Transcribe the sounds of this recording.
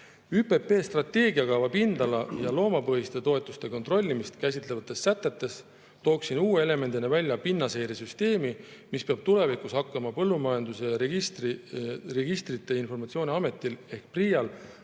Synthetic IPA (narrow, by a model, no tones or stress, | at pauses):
yːpe̞pe̞ːst̪rɑt̪ːe̞ːɡiɑkɑvɑpind̪̥ɑlɑjɑlo̞ːmɑpɤɦist̪e̞t̪o̞e̞t̪ːˑu̥st̪e̞ko̞nt̪ro̞lʲːimist̪kæsʲit̪ˑle̞vɑt̪ˑːe̞sːæt̪ːˑe̞t̪ːˑe̞s | t̪o̞ːksinuːeele̞me̞nd̪inevælʲːjɑpinːɑse̞jɾesyst̪e̞ːmimispeɑb̥̚t̪ule̞vikushɑkːˑɑmɑpɤlːumɑjɑnd̪usest̪rre̞ɡist̪rit̪ˑːe̞info̞rmɑt̪sio̞ːnʲeɑme̞t̪ːˑile̞hk̚prijɑl